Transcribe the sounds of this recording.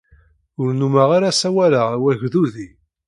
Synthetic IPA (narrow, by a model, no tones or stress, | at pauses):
ʊɾnumaʁaɾasæwælaʁwæʝðuði